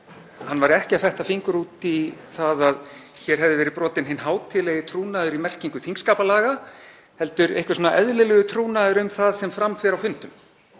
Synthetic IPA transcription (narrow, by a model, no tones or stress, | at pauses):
hanːvaɾɛhcɪafɛht̪afiŋkʏɾuːt̪iθaðaðçɛɾ̥ɦɛvðɪvɛːɾɪpɾɔːt̪ɪnɦɪnːɦaːwt̪ʰɪlɛjɪt̪ʰɾuːnaðʏɾimɛr̥ciŋkʏθiŋkskaːpalaːɣa | hɛlt̪ʏɾḛjhkvɪ̥sɔːnaʔɛðlɪlɛɣʏt̪ʰɾuːnaðʏɾʏmθaðsɛmfɾamθɛːɾawfʏnt̪ʏm